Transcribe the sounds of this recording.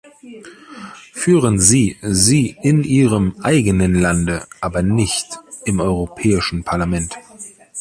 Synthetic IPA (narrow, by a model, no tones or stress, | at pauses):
fyːʁənziːziːʔɪnʔiːʁəmʔaɪɡənənlandəʔaːbɐnɪçt | ɪmɔʏʁopʰɛːɪʃn̩pʰaɐlamɛnt